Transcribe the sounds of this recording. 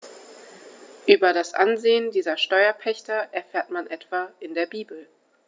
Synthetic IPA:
ʔyːbɐdasʔa̰nzeːəndiːzɐʃtɔʏɐpʰɛçtɐʔɛɐfeːɐtmanʔɛtv̥aːʔɪndeːɐbiːbl̩

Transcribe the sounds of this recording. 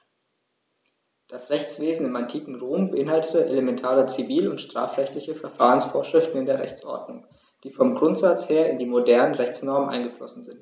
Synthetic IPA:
d̥asʁɛçt͡sv̥eːzn̩ɪmantʰiːkŋ̩ʁoːmbəʔɪnhaltətəʔeləmɛntʰaːʁət͡siviːlʊntʃtʁ̥a̰ːfʁɛçtlɪçəfɛɐfaːʁ̞ənsfoːɐʃʁ̥ɪftn̩ɪndeːɐʁɛ̰çt͡sʔɔ̰ɐdnʊŋ | d̥iːfɔmɡʁʊntz̥at͡sheːɐɪndiːmodɛɐnənʁɛçt͡snɔɐmənʔa̰ɪnŋɡəflɔsn̩zɪnt

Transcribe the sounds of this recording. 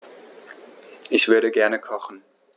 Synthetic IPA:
ʔɪçv̥ʏɐɾəɡɛɐnəkʰɔχn̩

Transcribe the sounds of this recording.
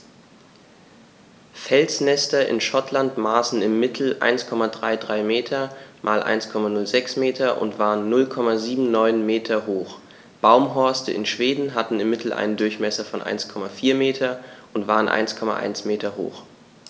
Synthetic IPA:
fɛlsnɛstɐʔɪ̰nʃɔtlantmaːsn̩ɪmːɪtʰl̩ʔa̰ɪnskʰɔmadʁaɪdʁaɪmeːtʰɐmʔaːlʔa̰ɪnskʰɔmanʊlzɛksmeːtʰɐʔʊ̰ntv̥aːʁənːʊlkʰɔmaziːbm̩nɔʏnmeːtʰɐɦoːχ | b̥aʊmɦɔɐstəɪ̰nʃv̥eːdn̩ɦatn̩ɪmːɪtʰl̩ʔa̰ɪnəndʊɐçmɛsɐfɔnʔa̰ɪnskʰɔmafiːɐmeːtʰɐʔʊntv̥aːʁənʔa̰ɪnskʰɔma̰ʔa̰ɪnsmeːtʰɐho̰ːx

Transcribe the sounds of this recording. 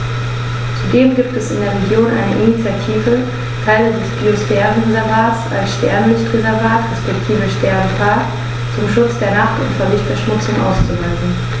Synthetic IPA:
t͡sudeːmɡiːp̚tɛsɪndeːɐʁ̞eɡjoːnʔa̰ɪnəʔinit͡sjatʰiːvə | tʰaɪlədɛsb̥iosfɛːʁənʁezɛɐvaːtsa̰lsʃtɛɐnlɪstʁezɛɐvaːtʁɛspɛktʰiːvəʃtɛɐnəfaːɐt | t͡sʊmʃʊt͡sd̥eːɐnaχtʊntfɛɐvɪçtfɛɐʃmʊt͡sʊŋʔa̰ʊst͡suvɛnzn̩

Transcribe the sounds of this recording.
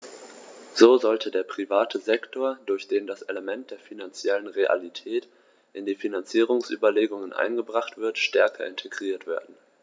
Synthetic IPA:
z̥oːzɔltʰədeːɐpʁ̥ivaːtʰəzɛktʰoːɐdʊɐçd̥eːmdaseləmɛnt̚d̥eːɐfinant͡sjɛlənʁeʔa̰litʰɛːt | ʔɪndiːfinant͡siːʁ̞ʊŋsʔy̰ːbɐleːɡʊŋənʔa̰ɪnɡəbʁaχtv̥ɪɐtʃtɛɐkʰɐɪntʰeɡʁiːɐtv̥ḛːɐdn̩

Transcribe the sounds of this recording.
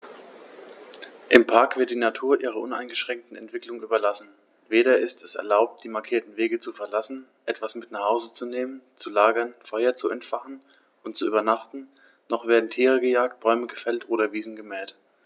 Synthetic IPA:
ʔɪmpʰaɐkv̥ɪɐt̚d̥iːnatʰuːɐʔiːʁ̞ɐʔʊna̰ɪnɡəʃʁ̥ɛŋk̚tn̩ɛntv̥ɪklʊŋyːbɐlasn̩ | veːɾɐɪstʰɛsɛ̰ɐlaʊp̚t̚d̥iːmaɐkʰiːɐtn̩veːɡət͡sufɛɐlasn̩ʔɛtv̥asmɪtnaχhaʊzət͡suneːmənt͡sulaːɡɐnfɔʏɐt͡suɛntfaχn̩ | ʔʊntt͡suʔyːbɐnaχtn̩ | nɔχv̥eːɐdn̩tʰiːʁəɡəjaːk̚t̚b̥ɔʏməɡəfɛltʔoːɾɐviːzn̩ɡəmɛːt

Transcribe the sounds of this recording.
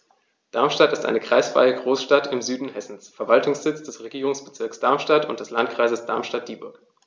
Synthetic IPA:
d̥aɐmʃtatɪstʔa̰ɪnəkʁ̥a̰ɪsfʁ̥a̰ɪəɡʁoːsʃtatɪmzyːdn̩hɛsn̩sfɛɐvaltʊŋsz̥ɪt͡sd̥ɛsʁeɡiːʁʊŋsb̥ət͡sɪɐksd̥aɐmʃtatʊ̰nt̚d̥ɛslant̚kʁ̥aɪzəsd̥a̰ɐmʃtat̚d̥iːbʊɐk

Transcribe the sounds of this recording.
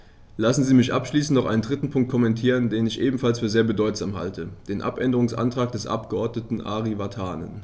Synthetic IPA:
lasn̩ziːmɪçʔapʃliːs̬n̩tnɔʔaɪəndʁɪtn̩pʰʊŋkt̚kʰɔmɛntʰiːʁ̞əndeːnɪçʔeːbm̩falsfyːɐzeːɐbədɔʏtz̥aːmha̰ltʰəd̥eːnʔa̰pʔɛndəʁʊŋsʔa̰ntʁ̥aːk̚d̥ɛsʔa̰pɡ̥əʔɔɐdnətn̩ʔa̰ʁivatʰaːnə̰n

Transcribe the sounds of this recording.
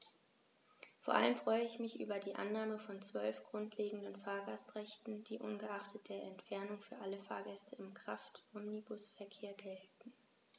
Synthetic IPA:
foːɐʔa̰ləmfʁ̥ɔʏəɪçmɪçʔy̰ːbɐdiːʔa̰nːaːməfɔnt͡sv̥œlfɡ̥ʁʊntʰleːɡŋ̩dənfaːɐɡastʁɛçtn̩d̥iːʔʊ̰nɡəʔaχtʰət̚d̥eːɐɛntfɛɐnʊŋfyːɐʔaləfa̰ːɐɡɛstʰəɪmkʁ̥aftʔɔmnibʊsfɛɐkʰeːɐɡɛltn̩

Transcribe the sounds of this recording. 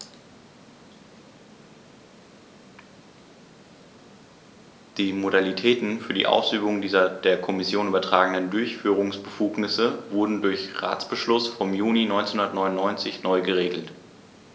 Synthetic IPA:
d̥iːmodalitʰɛːtn̩fyːɐdḭːʔa̰ʊsʔyːbʊŋdiːzɐd̥eːɐkʰɔmɪsjoːnʔyːbɐtʁ̥aːɡŋ̩dəndʊɐçfyːʁ̞ʊŋsb̥əfuːknɪsəvʊɐdn̩dʊɐçʁa̰ːt͡sb̥əʃlʊsfɔmjuːninɔʏnt͡senhʊ̃ndɐətnɔʏnʊnɔʏnt͡sɪçnɔʏɡəʁeːɡl̩t

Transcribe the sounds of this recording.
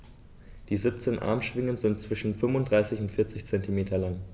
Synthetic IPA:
d̥iːzip̚t͡seːnʔa̰ɐmʃv̥ɪŋənzɪnt̚t͡sv̥ɪʃn̩fʏmvʊntd̥ʁaɪsɪçʊntfɪɐt͡sɪçt͡sɛntimeːtʰɐlaŋ

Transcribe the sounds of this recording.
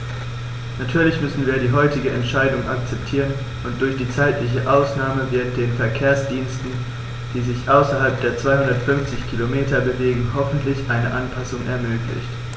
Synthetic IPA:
natʰyːɐlɪçmʏsn̩viːɐɾiːɦɔʏtɪɡəʔɛntʃaɪdʊŋʔak̚t͡sɛptʰiːʁən | ʔʊnt̚d̥ʊɐçd̥iːt͡saɪtlɪç̬əʔaʊsnaːməvɪɐəntd̥eːnfɛɐkʰeːɐsd̥iːnstn̩ | d̥iːzɪçʔaʊsɐɦalp̚d̥eːɐt͡sv̥aɪhʊndɐtfʏnft͡sɪçkʰilomeːtɐbəveːɡŋ̩hɔfn̩tʰlɪçʔaɪnəʔanpʰasʊŋʔɛ̰ɐmøːklɪ̰çt

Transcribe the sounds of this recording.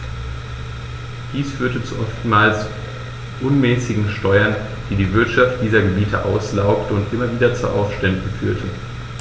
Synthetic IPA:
d̥iːsfyːɐtət͡suʔɔftmaːls | ʔʊnmɛːsɪɡŋ̩ʃtɔʏɐn | d̥iːdiːvɪɐtʃaft̚d̥iːzɐɡəbiːtʰəʔaʊslaʊktəʊntʔɪmɐviːdɐt͡suɐʔaʊsʃtɛndn̩fyːɐtʰə

